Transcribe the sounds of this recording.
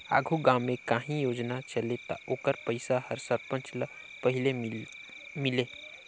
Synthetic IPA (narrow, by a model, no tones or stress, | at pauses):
a̰ːɡʱuɡãːmːẽkaːɦĩjoːd͡ʒnat͡ʃəlet̪a̰ʔoːkəɾpəɪsahəɾsəɾpə̃nt͡ʃl | pəɦɪle | mɪleː